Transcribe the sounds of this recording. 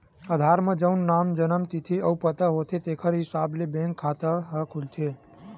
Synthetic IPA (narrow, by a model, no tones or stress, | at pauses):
əd̪ʱaɾməd͡ʒəwnːamd͡ʒənəmt̪it̪ʰiəwpət̪əɦot̪ʰet̪ekʰəɾɦisablebẽŋkʰːat̪əɦəkʰult͡ʃʰe